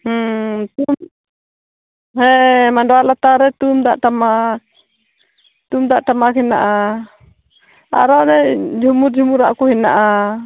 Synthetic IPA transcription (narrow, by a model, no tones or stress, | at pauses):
ht̪um | ɦɛmaɳɖɔalat̪aɾɛt̪umd̪aʔʈama | t̪umd̪aʔʈamakina̰ʔa | a̰ɾaɾɛd͡ʒʱumuɾd͡ʒʱumuɾa̰ʔkɔhinaʔa